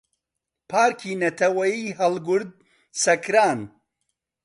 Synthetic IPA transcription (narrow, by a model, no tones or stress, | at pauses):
pʰaːɾkʰiːnɐt̪ʰɐwɐjiːɦɐlˠɡʊɾd̪̚ | sɐkʰɾaːn